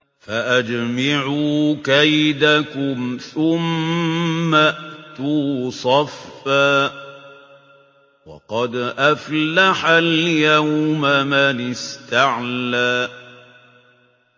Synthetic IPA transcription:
faʔad͡ʒmaʕuːkajd̪akʊmθʊmː | aʔt̪uːsˤɑfːaː | wɑ̰qɑd̪ʔaflaħaljawmamanɪst̪aʕlaː

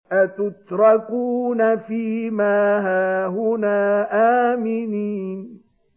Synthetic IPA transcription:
ʔat̪ʊt̪ɾˤɑkuːnafiːmaːɦaːɦʊnaːʔaːmɪniːn

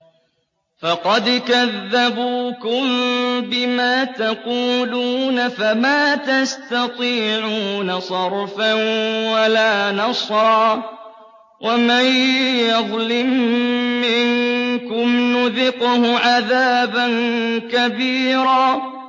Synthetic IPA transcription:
fɑqɑd̪kaðːabuːkʊmbɪmaːt̪ɑquːluːnafamaːt̪ast̪ɑt̪ˤiːʕuːnasˤɑɾˤfanwalaːnɑsˤɾɑː | wʔamajjɑðˤlɪmː | ɪŋkʊmnʊðɪqʊhʊʕaðaːbankabiːɾaː

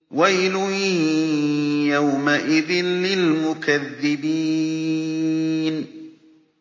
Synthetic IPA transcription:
wajlʊ | jawmaʔɪðɪnlɪlmʊkaðːɪbiː | n

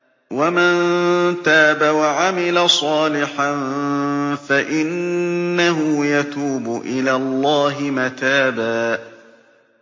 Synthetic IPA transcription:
wamant̪aːbawaʕamɪlasˤɑːlɪħan | faʔɪnːaɦʊjat̪uːbʊʔɪlaːllˤːɑːɦɪmat̪aːbaː

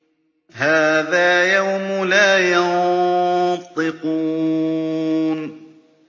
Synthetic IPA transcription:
haːðaːjawmʊlaːjɑn | t̪ˤːɨquː | n

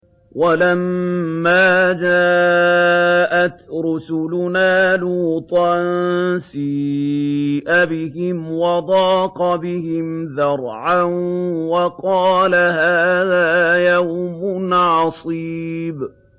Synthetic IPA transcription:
walamːaːd͡ʒaː | ʔat̪ɾʊsʊlʊnaːluːt̪ˤɑnsi | ʔabɪhɪmwɑd̪ˤɑːqɑbɪhɪmðɑɾˤʕanwɑqɑːlahaːðaːjawmʊnʕɑsˤiːb

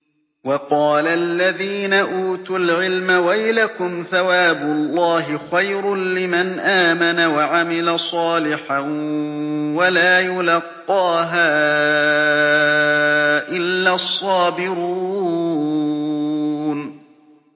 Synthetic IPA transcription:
wɑqɑːlalːaðiːnaʔuːt̪ʊlʕɪlmawajlakʊmθawaːbʊɑlˤːɑːɦɪxajɾʊlɪmanʔaːmanawaʕamɪlasˤɑːlɪħa | walaːjʊlɑqːɑːɦaː | ʔɪlːaːsˤːɑːbɪɾuː | n

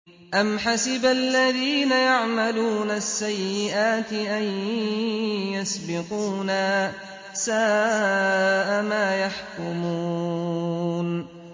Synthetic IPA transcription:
ʔamħasɪbalːaðiːnajaʕmaluːnasːajːɪʔaːt̪ɪʔaj | jasbɪquːna | saː | ʔamaːjaħkʊmuː | n

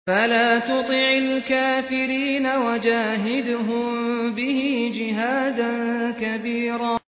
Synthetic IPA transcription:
falaːt̪ʊt̪ˤɪʕalkaːfɪɾiːnawad͡ʒaːɦɪd̪ʊɦʊmbɪhɪd͡ʒɪɦaːd̪ankabiːɾaː

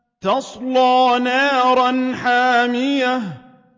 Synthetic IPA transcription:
t̪ɑsˤlɑːnaːɾˤɑnħaːmɪja

